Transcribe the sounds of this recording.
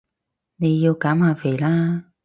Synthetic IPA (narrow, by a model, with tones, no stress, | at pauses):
ne˧ji˧kaː˨˥˦maː˨˩vi˨˩laː˧˦